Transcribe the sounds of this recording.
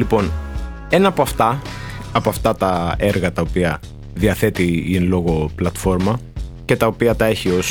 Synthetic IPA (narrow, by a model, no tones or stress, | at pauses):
lipo̞n | e̞nɐːpo̞ɐft̪ɐːpoɐft̪ɐt̪ɐe̞ɾɣɐt̪ɐopiɐ | ðiɐθe̞t̪inlo̞ɣo̞plɐt̪fo̞ɾmɐce̞t̪ɐopiɐt̪ɐe̞çio̞s